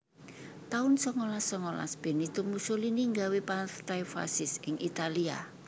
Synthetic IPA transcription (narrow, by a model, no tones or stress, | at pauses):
t̪aʊnsɔŋolasːɔŋola̰sb̥e̤nit̪umusoliniŋɡawepat̪ajfa̰sɪsɪŋʔit̪alia̰